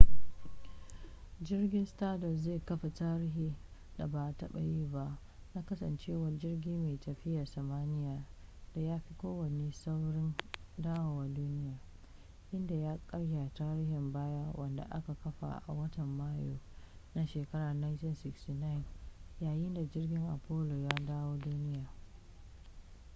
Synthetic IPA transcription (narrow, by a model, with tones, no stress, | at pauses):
d͡ʒɪ˦rɡʲɪ˦nstaː˦dɔ˨zeː˦˨kɐ˦ɸa˨taː˦ɾɪ˦ɦiː˦da̰˨baː˨tɐ˦ɓa̰˨jiː˦ba˦ʔ | na˦kɐ˦sɐ̰˨nt͡ʃeː˦wɐ˨rd͡ʒɪ˦rɡʲiː˦meː˨tɐ˨ɸɪ˦ja˨rsɐ˨maː˦nɪ˦jaː˨d̥a˨jaː˦ɸi˦kʷoː˦wɐ˨ne˦sa˦wɽɪ˦ndaː˦wa˨wa˨duː˦nɪ˦jaː˨ | ʔɪ˦nda˨jaː˦kʼɐ˦ɽja˨taː˦ɾiː˦hɪ˨mbaː˦ja˦wɐ˨nda̰˨ʔa̰˦ka˨kɐ˦ɸa̰˨ʔa̰˨wɐ˦tɐ˨mːaː˦jo̰ː˨na˦ʃeː˨kɐ˦ɽaː˨na˦ntɪ˦nsɪ˨ksti˨na˦ɪ˨njaː˨jɪ˦nda˨d͡ʒɪ˦rɡʲɪ˦ŋʔa˨poː˦lo˨jaː˦daː˦woː˦duː˦nɪ˦jaː˨